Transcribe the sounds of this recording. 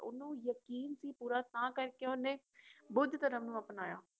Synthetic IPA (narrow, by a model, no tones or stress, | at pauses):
ʊ̰nũːjəkiːnsiːpuːɾaːt̪ãːkəɾkeoneː | bʊd̪ʱt̪əɾəmnũːəpnaːja̰ː